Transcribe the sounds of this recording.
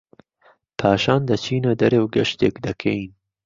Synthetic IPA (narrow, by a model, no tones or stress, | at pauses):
pʰaːʃɑːnd̪ɐt͡ʃʰiːnɐd̪ɐɾewɡɐʃt̪ḛːkd̪ɐkʰɐjin